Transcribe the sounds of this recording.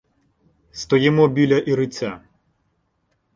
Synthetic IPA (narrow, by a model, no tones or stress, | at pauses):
st̪ɔjɪmɔbʲilʲɐʔiɾɪt͡sʲa